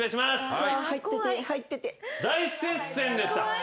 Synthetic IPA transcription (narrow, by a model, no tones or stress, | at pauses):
aɕimasahait̪ːet̪ehait̪ːet̪ed̪aisẽsẽ̞nd̪e̞ɕi̥t̪a